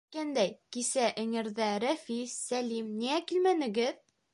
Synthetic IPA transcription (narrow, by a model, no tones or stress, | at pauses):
kænd̪æjkisæʔɘ̆ŋɘ̆ɾðæɾæfisːælimniækilmænɘ̆ɡɘð